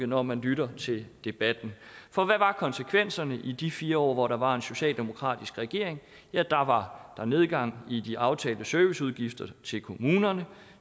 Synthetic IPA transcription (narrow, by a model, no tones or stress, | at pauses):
nɒmænlyɾɐt͡sʰe̝ld̥e̝b̥æd̥n̩fɒ̽ʋæʋɑ̈kʰɒ̽nsəkʰʋen̰sɐnəʔid̥ifiːɐɒ̰ːʋɒɾ̥ɑ̈ʋɑ̈e̝nso̝ɕɛ̰ːld̥e̝mo̝kʰʁɑ̰̈ːd̥isɡ̥ʁɛɡ̥e̝ɐ̰eŋ | jæd̥ɑ̈ʋɑ̈d̥ɑ̈ne̝ð̞ˠɡ̥ɑ̈ŋ̰id̥iʔɑ̈ʊt͡sʰɛːld̥əsœːʋisuð̞ˠɡ̥ifd̥ɐt͡sʰe̝lkʰo̝muːnɐnə